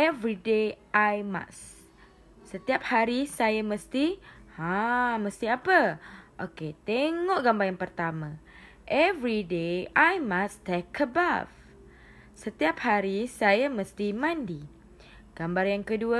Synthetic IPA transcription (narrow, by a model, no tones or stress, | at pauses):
ʔɛvɾideʔajma̰sː | ət̪iap̚haɾisajaməst̪ihãmə̃st̪iapəʔoket̪eŋɔʔɡambarjaŋpərt̪amã | ʔɛvɾideajmast̪akʰːəba̰f | sət̪iap̚haɾisajamə̃st̪imãndi | ɡ̥ambarjaŋkəduə